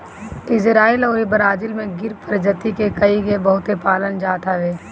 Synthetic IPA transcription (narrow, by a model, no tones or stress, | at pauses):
ɪzɾaːilɔːɾibəɾaːd͡ʒɪlmẽɡɪɾpʰəɾd͡ʒət̪ikekɐiɡebɐɦʊt̪epaːlənd͡ʒaːt̪ʰaʋeː